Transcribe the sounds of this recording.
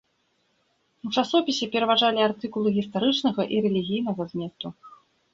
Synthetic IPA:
ut͡ʂasɔpʲisʲɛpʲɛɾɐvaʐalʲiart̪ɨkulˠɨɣʲist̪aɾɨt͡ʂnɐɣɐʔiɾɛlʲiɣʲijn̪ɐɣɐzʲmʲɛt̪u

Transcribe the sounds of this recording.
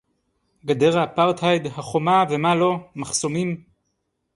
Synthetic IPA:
ɡad̪e̞ʁapaʁt̪hajd̪haχo̞mavemalo̞maχso̞mim

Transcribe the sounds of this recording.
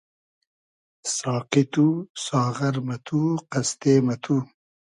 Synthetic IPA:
sɑːqɪt̪usɑːʁaɾmɐt̪ʰuqast̪eːmɐt̪ʰu

